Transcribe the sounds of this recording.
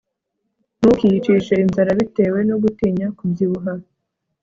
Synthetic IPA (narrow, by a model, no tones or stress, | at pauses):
n̥ukijit͡ʃiʃeinzaɾaβite̞ːwe̞no̞ɡutiɲakubziβuɦaɾ